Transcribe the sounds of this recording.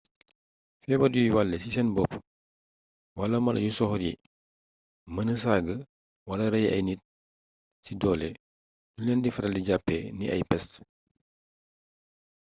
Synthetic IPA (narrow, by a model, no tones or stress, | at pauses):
fɛːbɐdjujwalːɛsisɛnbɔp | wɐlɐmɐlɐɟusɔhɔɾjḭ | mənəs̬aːɡə | wɐlɐɾɐjɛʔɐ̰jnit̚ | sidɔːlɛ | ɟulɛndifɐɾɐldiɟapːɛnḭʔɐ̰jpɛst